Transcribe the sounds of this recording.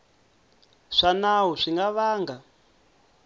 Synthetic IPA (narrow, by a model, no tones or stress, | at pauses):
ʂanaɦuʂiŋɡaβaːŋɡa